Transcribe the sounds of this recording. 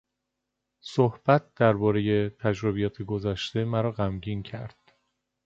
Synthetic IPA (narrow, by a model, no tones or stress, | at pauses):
sohb̥æt̪̚ʰd̪̥æɾbɒːɾe̞je̞t̪ʰæd͡ʒɾobijɒːt̪ʰeɡozæʃt̪e̞mæɾɒːɣæmɟiːncʰæɾd̪̥